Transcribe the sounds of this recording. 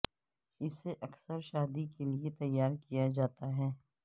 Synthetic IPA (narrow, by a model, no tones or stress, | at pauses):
ɪseʔɐksəɾʃaːd̪ikeliet̪ɐjːaːɾkijad͡ʒaːt̪aɦɛː